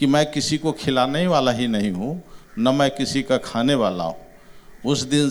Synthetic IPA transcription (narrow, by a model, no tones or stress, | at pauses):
kimɛ̃kɪsikokʰɪlaneʋalaɦinəɦĩɦũnəmɛ̃kɪsikakʰaneʋala̰ɦṵ̃ | ʊsd̪in